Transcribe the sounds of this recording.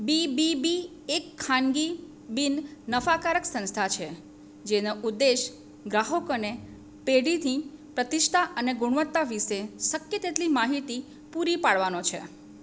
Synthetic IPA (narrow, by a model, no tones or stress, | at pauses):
bibibi | ekʰːãnɡi | binnəfakaɾəksə̃nst̪ʰat͡ʃʰe | d͡ʒenoʔud̪ːeʃ | ɡɾaɦokone | peɽit̪ʰipɾət̪iʃt̪ʰaʔəneɡʊɽ̃ʋət̪ːaʋiʃesəkjət̪et̪limaɦit̪i | puɾipaɽʋanot͡ʃʰḛ